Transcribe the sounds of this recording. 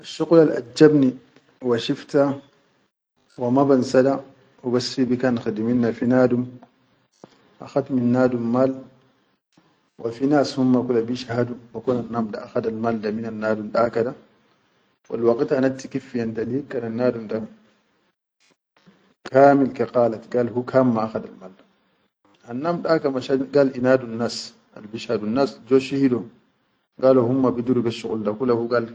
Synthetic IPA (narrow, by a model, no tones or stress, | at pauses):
ʔaʃːuqlalʔa̰d͡ʒːabni | waʃift̪a | wamabansada | wibasibikanxid̪minːafinaːdum | ʔaxat̪minːaːdummaːl | wʔafinaːshumːakulabiʃahadumbakunanːaːmdaʔaxad̪almaːldaminanːaːdumdakada | wʔa̰lwakitanatːikifːijantadikːananːaːdunda | kʰaːmilkɛqaːlatɡalhukʰamːaaxadalmaldḁ | hanːamɗakamaʃaɡalinaːdunːas | ʔa̰lbiʃaːdunːasd͡ʒɔʃihiɗɔ | ŋɡalɔhumːabɛduɾubɛʃukʼṵldakulahuɡal